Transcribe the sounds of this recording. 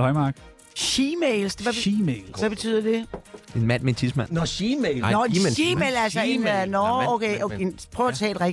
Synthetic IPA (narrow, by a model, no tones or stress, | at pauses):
ɒɪmɑːɡ̥ | ʃimeːlsʋæbimeːlsʋæb̥e̝t͡sʰy̰ð̰ˠɐd̥e̝e̝nmæn̰meent͡sʰismænnɒimelnɒimeːlælsɐenænɔokʰeoenpʰʁot͡sʰɛ̰ːlʁeɡ